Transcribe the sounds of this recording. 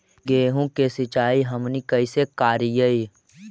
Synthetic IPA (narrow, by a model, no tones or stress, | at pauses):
ɡeːɦũkesɪt͡ʃaːiɦəmnikəisekaːɾijəi